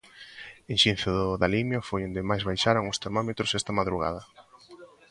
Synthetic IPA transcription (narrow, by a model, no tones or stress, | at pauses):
enʃinθʊðʊðalimjʊfojond̪emajzβajʃaɾoŋʊst̪eɾmɔmet̪ɾʊsɛst̪ɐmaðɾuɣ̞a̰ð̞ɐ